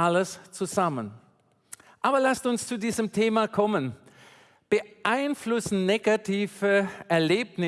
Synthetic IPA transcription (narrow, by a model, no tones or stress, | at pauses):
aləst͡suzamən | ʔaːbɐlastʊnst͡sudiːzəmtʰeːmakʰɔmən | b̥əʔaɪnflʊsn̩neɡatʰiːvəʔɛɐleːp̚nɪ